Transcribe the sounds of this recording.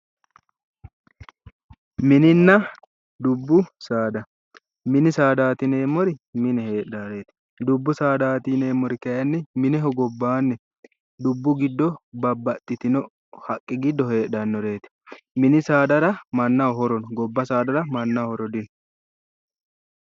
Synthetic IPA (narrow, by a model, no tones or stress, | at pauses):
mɪnɪnːɐ | d̪ʊbːʊsaːd̪ɐ | mɪnɪsaːd̪aːt̪ɪne̞ːmːɔɾɪmɪnɛhe̞ːᶑaɾe̞ːt̪ɪ̥ | d̪ʊbːʊsaːd̪aːt̪ɪne̞ːmːɔɾɪkɐjɐnːɪmɪnɪɦɔɡɔbːaːnːɛ | d̪ʊbːʊɡɪd̪ːɔbɐbːɐt̪ʼːɪt̪ɪnɔ | hɐkʼːɪɡɪd̪ːɔɦe̞ːᶑɐnːɔɾe̞ːt̪ɪ̥ | mɪnɪsaːd̪ɐɾɐmɐnːɐɦɔɾɔnɡɔbːɐsaːd̪ɐɾɐmɐnːɐhɔɾɔd̪ɪn